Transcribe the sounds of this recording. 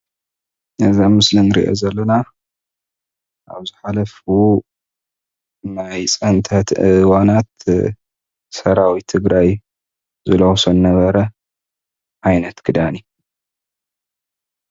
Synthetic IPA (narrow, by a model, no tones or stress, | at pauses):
ʔɨzamɨslɨnɨɾḭʔo̞̰zɐlːɐna | ʔa̰βzɨħalɐfu | najt͡sʼɐnt̪ʰɐt̪ʔɨwanat̪ | sɐɾawit̪ʰɨɡɾaj | zɨlowsonnɐβɐɾɐ | ʕajnɐt̪kʰɨd̪ani